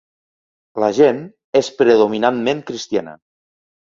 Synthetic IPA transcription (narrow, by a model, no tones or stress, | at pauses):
ləʒen | espɾeðominanmẽŋkɾist̪janə̰